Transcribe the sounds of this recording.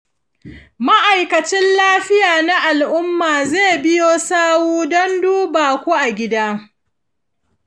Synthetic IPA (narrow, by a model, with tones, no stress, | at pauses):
ma˦ʔa˨jkɐ˨t͡ʃɪ˦nlaː˦ɸɪ˦jaː˨na˦ʔa˨lʔʊ˦mːaː˨zeː˦˨bɪ˦joː˦saː˦wuː˦dɔ˦nduː˦baː˨kʷu˦ʔa˨ɡʲɪ˦daː˦